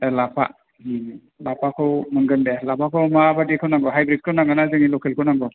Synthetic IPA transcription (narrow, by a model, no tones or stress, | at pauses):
lapʰa̰ | hi | lapʰakʰɯwmɯŋɡɯndelapʰakʰawmabadikʰownaŋɡɔɦajbɾit̚kʰɯwnaŋɡanazɯŋilɔkʰelkʰownaŋɡɔ